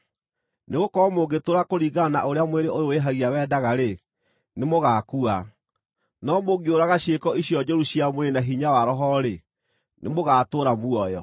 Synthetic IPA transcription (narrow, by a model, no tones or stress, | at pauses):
neɣokɔmoːɡetoːɾakoɾiːɣanaʔoɾeamweɾeʔojoweɦaɣiawɛːdaɣaɾe | nemoɣaːkua | nɔmoɡeoɾaɣaɕiekɔiɕjɔd͡ʒɔɾuɕijamweɾenaɦiɲawaɾɔɦɔɾe | nemoɣaːtoːɾamuɔjɔ